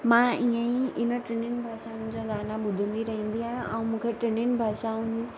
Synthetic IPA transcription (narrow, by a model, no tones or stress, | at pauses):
mãiə̃ĩʔɪnə̆ʈɾɪnɪnɪ̆bʱaːʃaɦʊ̃nɪ̃d͡ʑaɠaːnaɓʊd̪ʱə̃nd̪iɾɐɦĩːn̆d̪iɦãʔa̰ũmũːkʰeʈɾɪnɪn̆bʱaːʃaɦũni